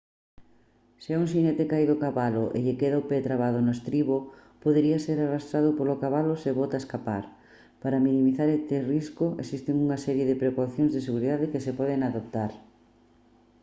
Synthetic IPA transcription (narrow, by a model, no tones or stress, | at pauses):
seɛuŋs̬inɛt̪ɪkajðʊkaβalʊʔḛʎekeðaopet̪ɾaβaðonoest̪ɾiβopoðeɾiɐseɾarast̪ɾaðʊpolokaβalʊseβot̪aeskapa̰ɾ | paɾɐminĩmiθaɾɛst̪ɪriskʊḛsist̪ɪŋuŋɐsɛɾjeðɪpɾekoθjoŋzðeseɣuɾiðaðɪkɪsepɔðeŋaðop̚t̪aɾ